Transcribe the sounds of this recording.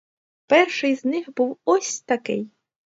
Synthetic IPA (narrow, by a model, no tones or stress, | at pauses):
pɛrʃɪjznɪxbuwɔsʲt̪ɐkɪ̰j